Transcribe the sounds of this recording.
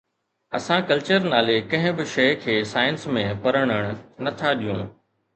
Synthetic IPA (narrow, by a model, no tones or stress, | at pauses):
ɐsãkɐlt͡ɕəɾnaːlekɐ̃ɦɪ̃bɪʃɐɪkʰeːsaːɪənsmẽpɐɾəɽ̃əɽ̃ʊ̆nɐt̪ʰaɗijṵ̃ː